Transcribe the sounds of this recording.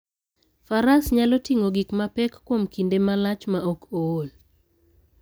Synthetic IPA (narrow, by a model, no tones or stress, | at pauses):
faɾasɲalɔtiŋoɡikmapɛkːwomkindemalat͡ʃmaokool